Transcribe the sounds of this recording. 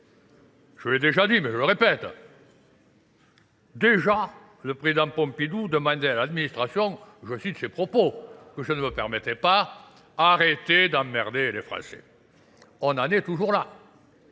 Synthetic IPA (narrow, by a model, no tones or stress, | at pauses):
ʒ̥əled̪eʒad̪imɛʒələʁepɛt̪ | d̪eʒa | ləpχezid̪ɑ̃pɔ̃pid̪ud̪əmɑ̃nd̪ealad̪minist̪χasjɔ̃ʒəsit̪əsepχɔpokəʒənəməpɛʁmet̪ɛpa | aʁet̪ed̪ɑ̃mɛʁd̪elefχɑ̰̃sḛ | ɔ̃nanet̪uʒuʁla